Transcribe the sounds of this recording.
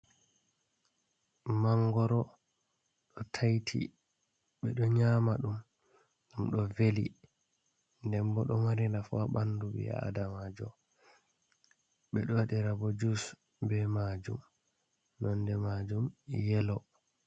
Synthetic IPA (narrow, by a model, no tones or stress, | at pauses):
maŋɡɔɾɔ | ɗɔtʰajtʰḭ | ɓɛɗɔɲaːmaɗum | ɡamɗɔveli | ndɛmbɔɗɔmaɾinafaɓanːdubḭa̰a̰damad͡ʒɔ̰ | ɓɛɗɔwaɗiɾabɔd͡ʒus | bɛmad͡ʒṵm | nɔndɛmad͡ʒumjɛlɔ